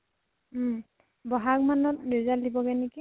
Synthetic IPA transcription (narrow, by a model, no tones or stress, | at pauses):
bɔɦak̚manɔtniɹzaldibɔɡɛneki